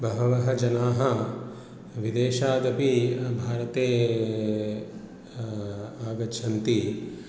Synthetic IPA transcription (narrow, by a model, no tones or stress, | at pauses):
bɐɦɐʋɐɦɐd͡ʒɐnaːɦɐ | ʋid̪eːʃaːd̪ɐpibʱaːɾɐt̪eː | aːɡɐʃʰɐnt̪i